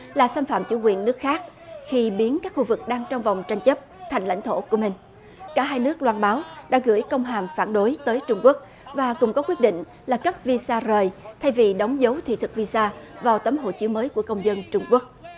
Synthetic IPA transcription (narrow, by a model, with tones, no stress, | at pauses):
laː˨˩saː˧mfa̰ː˧˨mt͡ɕṵ˧˩kwḭ˨˩ənːɨ˦˥ək̚xaː˦˥k̚xi˧ɓi˨˦ənkaː˦˥k̚xu˧vɨ˨˩k̚ɗaː˧ŋt͡ɕɔ˧wŋ͡mvɔ˨˩wŋ͡mt͡ɕa˧jŋ̟t͡ɕə˦˥p̚t̪ʰa˨˩jŋ̟la̰˧˥jŋ̟t̪ʰo̰˧˩ku˧˩əmï˨˩ŋ̟ | kaː˧˥˩ɦaː˧jnɨ˦˥ək̚lwaː˧nɓaː˨˦wɗa̰ː˧˥ɣɨ̰˧˥əjkə˧wŋ͡mɦaː˨˩mfaː˧˩nɗo˨˦jt̪əː˨˦jt͡ɕʊ˧ŋ͡mku˦˥ək̚ | vaː˨˩kʊ˨˩ŋ͡mkɔ˨˦kwi˦˥t̚ɗḭ̈˧˨ŋ̟ | laː˨˩kə˦˥p̚vi˧saː˧zəː˨˩jt̪ʰa˧jvi˨˩ɗə˨˦wŋ͡mzə˨˦wt̪ʰḭ˧˨t̪ʰɨ˨˩k̚vi˧saː˧vaː˨˩wt̪ə˨˦mɦo̰˧˨t͡ɕɨ˨˦məː˨˦jku˧˩əkə˧wŋ͡mzə˧nt͡ɕʊ˧ŋ͡mku˦˥ək̚